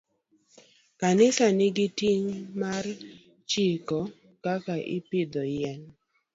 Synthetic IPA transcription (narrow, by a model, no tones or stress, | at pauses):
kanɪsanɪɡɪtiŋmar | t͡ʃikɔ | kakaʔɪ̰pɪd̪ɔjɛn